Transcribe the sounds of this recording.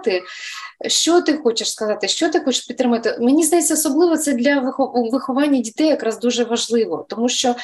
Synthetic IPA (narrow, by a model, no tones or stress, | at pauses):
t̪ɪ | ʃt͡ʃɔt̪ɪxɔt͡ʃɪʃskɐzɑt̪ɪʃt͡ʃɔt̪ɪxɔt͡ʃɪ̥ʃpʲit̪ːɾɪmɐʋt̪ɪmenʲizd̪ɐjɛt͡sʲːɐɔsɔblˠɪʋɔt̪sɛd̪lʲɐʋxɔʋɪxɔʋɑnʲːɐdʲit̪ɛjɐkɾɑzd̪uʒɛʋɐʒlˠɪʋɔt̪ɔmuʃt͡ʃɔ